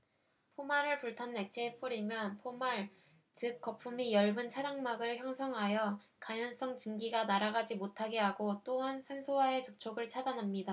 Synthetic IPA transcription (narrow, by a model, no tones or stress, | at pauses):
pʰomaɾɯɭpuɭtʰanːe̞k̚t͡ɕ͈ʰep͈uɾimjʌnpʰomaɭ | t͡ɕɯk̚k͈ʌpʰumijʌɭbɯnt͡ɕʰadaŋmaɡɯɭçjʌŋsʰʌŋɦajʌ | kaɲʌns͈ʌŋt͡ɕɯŋɡiɡanaɾaɡad͡ʑimotʰaɡe̞ɦaɡot͈oɦansʰensʰowae̞t͡ɕok̚t͡ɕʰoɡɯɭt͡ɕʰadanɦamɲida